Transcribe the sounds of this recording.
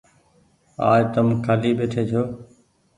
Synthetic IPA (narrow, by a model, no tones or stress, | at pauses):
a̰ːjt̪əmkʰaːliːbeːʈ̪ʰeːt͡ʃʰoː